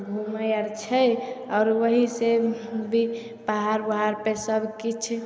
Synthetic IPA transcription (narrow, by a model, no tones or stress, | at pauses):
bʱuməjəɾt͡ʃʰəjɔːɾwəɦisebʱi | paɦaɾbaɦaɾpesəbkit͡ʃʰ